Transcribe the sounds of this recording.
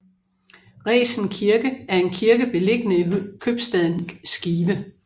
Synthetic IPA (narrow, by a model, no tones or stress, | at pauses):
ʁɛ̰ːsn̩kʰiɐɡ̥əæɐe̝nkʰiɐɡ̥əb̥e̝le̝ɡ̥ənəikʰøb̥sd̥ɛðˠnsɡ̥iːb̥ə